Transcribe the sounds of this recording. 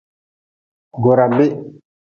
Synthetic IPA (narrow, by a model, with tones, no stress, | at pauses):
ɡɔ˨ɾa˨mbe˦